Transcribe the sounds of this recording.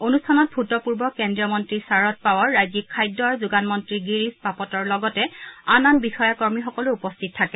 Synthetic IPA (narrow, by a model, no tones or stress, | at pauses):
onustʰanɔt̚bʱutɔpuɹbɔkendɹijɔmɔntɹisaɹɔt̚pawaɹːajzikʰːajdɔɹzuɡanmɔntɹiɡiɹispapɔtɔɹlɔɡɔtɛananbixɔjakɔɹmixɔkɔlʊupɔstʰit̚tʰːakɛ